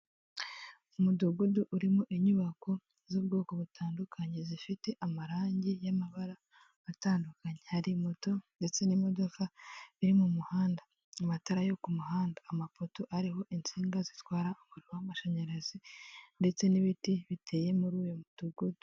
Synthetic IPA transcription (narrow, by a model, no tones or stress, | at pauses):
umuduɡuduʔuɾimoʔiɲuβako̞ | zuːbɡoːko̞βutʰaːndukʰaɲe̞zifite̞ʔamaɾaːɲɟijamaβaɾaː | taːndukaɲehaɾimoto̞nde̞t͡se̞nimo̞do̞kaβiɾimumuhaːnda | amataɾajo̞kumuɦaːndaːmafotoʔaɾiɦo̞ʔint͡siːŋɡazitwaːɾaumuɾiwamaʃaɲaɾazinde̞t͡se̞niβitiβitʰe̞ːje̞muɾuːjomud̥uɡudu